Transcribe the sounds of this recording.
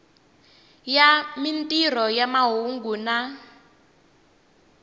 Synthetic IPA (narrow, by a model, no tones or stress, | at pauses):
jamintʼir̤ɔjamaɦuŋɡuːna